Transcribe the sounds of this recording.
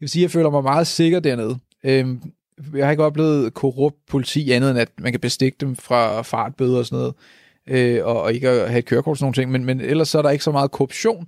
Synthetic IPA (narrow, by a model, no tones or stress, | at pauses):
æʋe̝siːjɑ̈ɪfø̰ːlɐmɑ̈ɪmɑ̈ːð̞̩ˠse̝ɡ̥ɐd̥æɐne̝ð̞ˠ | øm | jɑhɑe̝ɡ̥ɒ̥̽b̥le̝̰ːð̞̩ˠkʰo̝ʁɔb̥̚d̥̚pʰo̝lit͡sʰḭːænðˠenæd̥mænkʰæb̥e̝sd̥e̝ɡ̥əd̥emfʁɑ̈fɑ̈ːd̥̚b̥øːðˠɒ̽sɔ̽no̰ːð̩ˠ | øɒ̽e̝ɡ̥əɒhæe̝d̚kʰøːɐkɒ̰̥ːsnoːn̩t͡sʰeŋ̰menmenel̰ɐsːɒ̽æɐɾ̥ɑ̈e̝ɡ̥sɒmɑ̈ːð̞̩ˠkʰoob̥ɕo̝̰ːn